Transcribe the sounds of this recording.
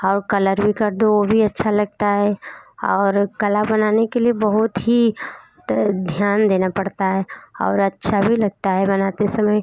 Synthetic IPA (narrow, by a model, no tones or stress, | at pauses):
ɔːɾkɐləɾbʱikɐɾd̪oobʱiɐtːʃʰalɐɡ̚t̪aɦɛɔːɾkəlabɐnaːnekeliebɐɦʊt̪ɦi | d̪ʱjaːnd̪eːnapɐɽt̪aɦɛɔ̰ːɾɐtːʃʰabʱilɐɡ̚t̪aɦɛbɐnat̪esɐməj